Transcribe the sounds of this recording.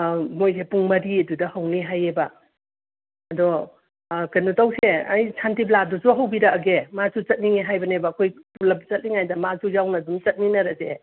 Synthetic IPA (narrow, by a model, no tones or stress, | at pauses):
mojsepuŋmɐɾiɐdudɐhɐwniɦajebɐ | ɐdɔ | kanutawseɐjsʰantibladɔzuɦɐwbiɾɐːɡemasut͡ʃɐt̚niŋeɦajbɐnebɐːkʰojpulɐbt͡ʃɐt̚niŋajdɐmasujawnɐdumt͡ʃɐt̚ninɐɾɐse